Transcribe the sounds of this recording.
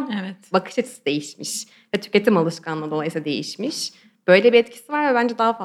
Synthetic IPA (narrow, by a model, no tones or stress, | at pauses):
ɛvɛt̪bakʰɯ̥ʃɛt̪i̥sid̪e̞jiʃmiʃ | vɛt̪ʰy̥ce̞t̪ʰimalˠɯʃkʰanˠad̪oajɯsiad̪e̞̰jḭʃmiʃ | b̥ø̞jlʲebiɛt̪cʰi̥sivaɾvɛbænd͡ʒɛd̪aɦafa